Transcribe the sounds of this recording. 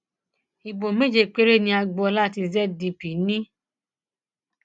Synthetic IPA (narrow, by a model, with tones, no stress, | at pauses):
i˨bo˨me˦˨d͡ʒe˧k͡pe˦ɾe˦˨nĩ˧a˧ɡ͡bɔ˧ɔ˧la˦˨ti˧zɛ˦di˧pi˨˦nĩ˦